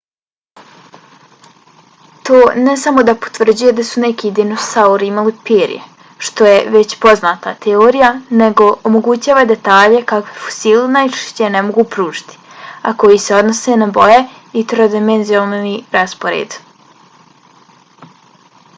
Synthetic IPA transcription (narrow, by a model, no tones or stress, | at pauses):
t̪oːnesamo̞d̪apo̥t̪ʋr̩d͡ʑuje̞d̪asunekiːd̪ino̞sauɾiimalipiɾḭjḛ | ʃt̪o̞jeʋe̞t͡ɕpo̞znaːt̪at̪eoːɾijane̞ɡo̞omo̞ɡut͡ɕaːʋad̪e̞t̪aːʎe̞kakʋefo̥silenajt͡ʃe̥ʃt͡ɕenemoɡupɾuːʒi̥t̪i̥a̰ko̞jiseo̞d̪no̞senabo̞je | it̪ɾod̪imenzijonniɾaspo̞ɾḛːd̪